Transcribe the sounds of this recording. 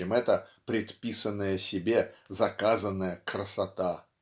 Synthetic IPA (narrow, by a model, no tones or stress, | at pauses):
ɪmɛt̪əpɾʲɪt̪pʲisənːəjəsʲɪbʲezɐkazənːəjəkɾəsɐt̪a